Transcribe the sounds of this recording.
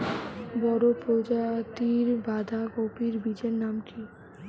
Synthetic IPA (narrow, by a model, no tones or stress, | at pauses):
bɔɾopɾod͡ʑat̪iɾbad̪ʱakopiɾbid͡ʑeɾnamʈi